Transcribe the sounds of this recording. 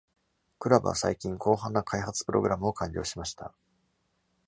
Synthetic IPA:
kɯ̟ɾabɯ̰βa̰sa̰ikʲĩŋkʰo̞ːɦãnːakʰaihat͡sɨ̥pɯ̟ɾʔo̞̰ɡɯ̟ɾamɯ̟o̞kãɲʲɾʲo̞̰ːɕimaɕi̥t̪ʰa̰

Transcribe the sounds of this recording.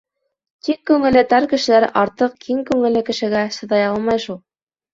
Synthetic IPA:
t̪ikːʉŋɘ̆lːɘ̆t̪æɾkɘ̆ʃɘ̆læɾʔɑɾt̪ɤq̚kʰiŋkʉŋɘ̆lːɘkɘ̆ʃɘ̆ɡæsɤ̆ðɑjɑlˠmɑjʃulˠ

